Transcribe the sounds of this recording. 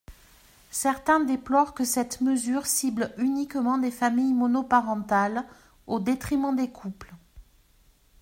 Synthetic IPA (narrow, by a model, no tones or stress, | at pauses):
sɛʁt̪ɛ̃d̪eplɔʁkəsɛt̪məzyʁsiblynikmɑ̃d̪efamijmɔnɔpaʁɑ̃t̪al | od̪et̪χimɑ̃d̪ekʰupl